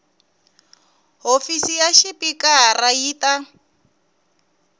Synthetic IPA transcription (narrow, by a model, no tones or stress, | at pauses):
ɦofisijaʃɪpʼikʼaraiːta